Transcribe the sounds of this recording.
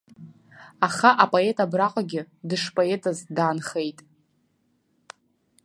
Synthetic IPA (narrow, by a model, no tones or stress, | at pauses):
aχaʔapʼo̞e̞tʼabraqʷʼaɡʲɪ | dɨʂpʼoe̞tʼazdaːnχe̞jtʼ